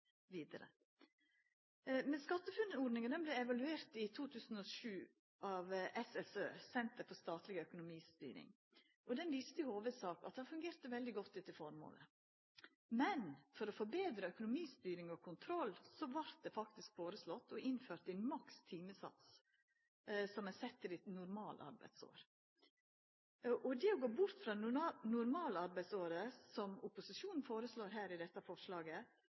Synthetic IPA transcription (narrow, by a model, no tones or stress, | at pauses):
ʋiːd̪əɾə̰ | mɛskɑt̪ːəfʉnɔɖnɪŋəd̪ɛnblɛɛʋɑlʉeːɾt̪ɪt̪ʰuːt̪ʰʉːsn̩ɔʃʉː | ɑʋʔɛsɛsøːsɛnt̪əɾfɔst̪ɑːt̪lɪɡœkʊnʊmiːst̪y̰ːɾɪ̰ŋ | ʔɔd̪ɛnʋiːst̪əɪhoːʋəd̪sɑːkɑ̰t̪̚d̪ɛhɑfʉŋɡeːɾt̪əʋɛld̪ɪɡɔt̪ːɪt̪ːəfɔɾmo̰ːlə̰ | mɛnfɔɾɔfɔbeːd̪ɾəœkʊnʊmiːst̪yːɾɪŋɔkʰʊnt̪ʰɾɔlːsɔʋɑɾt̪̚d̪ɛfɑkt̪ɪskfoːɾəslɔt̪ːɔʔɪnføːɾt̪ɛnmɑkst̪ʰiːməsɑ̰t̪s | sɔmɛsɛt̪ːəɾɪt̪nʊɾmɑːlʔɑ̰ɾbæ̰ɪd̪so̰ːɾ | ʔɔd̪ɛːɔɡoːbʊɾt̪fɾɑnʊɾmɑːləɑɾbæɪd̪soːɾəsɔmʊpʊsɪʂuːnn̩foːɾəsloːɾɦæːɾɪd̪ɛt̪ːɑfɔʂlɑːɡə